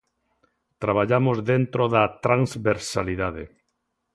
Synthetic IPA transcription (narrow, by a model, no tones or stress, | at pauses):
t̪ɾaβ̞aʎamozðent̪ɾoðat̪ɾaŋzβeɾsaliðaðḛ